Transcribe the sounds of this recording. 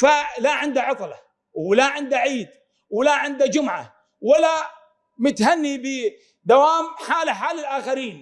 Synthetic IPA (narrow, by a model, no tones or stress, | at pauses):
falaʕɪnd̪aʕɑt̪ˤlɑ | wɪlaʕɪnd̪aʕiːd̪ | wɪlaʕɪnd̪ad͡ʒʊmʕa̰ | walːa | mʊt̪hanːibɪ | d̪awaːmħaːlaħaːlɪlʔaːxaɾiːn